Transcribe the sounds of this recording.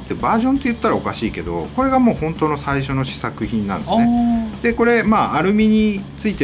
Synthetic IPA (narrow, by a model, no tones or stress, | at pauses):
t̪ːebaːʑõ̞nt̪ːe̞jɯ̟t̪ːaɾao̞kaɕiːke̞d̪o̞̰ko̞ɾe̞ɡamo̞ːhõ̞nt̪o̞ːno̞saiɕ̬o̞no̞ɕi̥sakɯ̟çĩnːã̰nd̪esned̪̥e̞ko̞ɾe̞maːaɾɯ̟mʲiɲ̟it͡sɨit̪e